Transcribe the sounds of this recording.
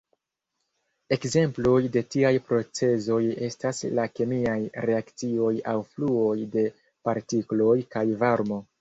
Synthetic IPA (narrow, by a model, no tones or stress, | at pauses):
e̞kze̞mplo̞jde̞tiajpɾo̞t͡se̞zo̞je̞staslake̞miajɾe̞akt͡sio̞jawfluo̞jde̞ | paɾtiklo̞jkajvaɾmo̞